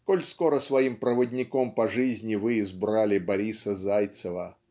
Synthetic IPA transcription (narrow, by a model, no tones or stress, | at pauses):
kolʲskoɾəsvɐimpɾəvədʲnʲɪkompɐʐɨzʲnʲɪvɨːzbɾalʲɪbɐɾʲisəzajt̪səvə